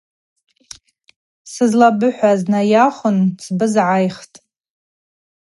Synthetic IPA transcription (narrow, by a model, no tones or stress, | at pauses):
sɨzlabɨħʷaznajaχʷʊnt͡sʰbɨzʕajχtʼ